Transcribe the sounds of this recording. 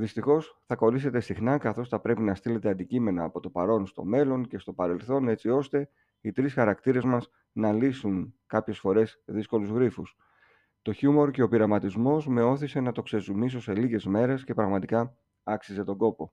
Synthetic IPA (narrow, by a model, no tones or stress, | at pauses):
ðist̪ixo̞sθɐko̞lise̞t̪e̞sixnɐkɐθo̞sθɐpɾe̞pinɐst̪ile̞t̪e̞ɐnd̪icime̞nɐːpo̞t̪o̞pɐɾo̞nst̪o̞̰me̞lo̞ŋce̞st̪o̞pɐɾe̞lθo̞ne̞t͡sio̞st̪e̞ | it̪ɾisxɐɾɐkt̪iɾe̞zmɐs | nɐlisunkɐpçe̞sfo̞ɾe̞sðisko̞luzɣɾifus | t̪o̞çumo̞ɾce̞o̞piɾɐmɐt̪izmo̞sme̞o̞θise̞nɐt̪o̞kse̞zumis̬o̞se̞liʝe̞zme̞ɾe̞sce̞pɾɐɣmɐt̪ikɐ | ɐksize̞t̪o̞ɡo̞po̞